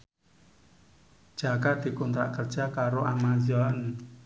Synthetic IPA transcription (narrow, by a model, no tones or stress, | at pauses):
d͡ʒ̥a̤kad̪̥i̤kunt̪ɾa̰ʔkərd̥ʒ̥a̤kaɾoʔamazɔn